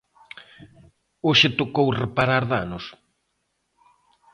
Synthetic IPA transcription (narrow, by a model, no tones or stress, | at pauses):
oʃet̪okowrepaɾaɾðanʊs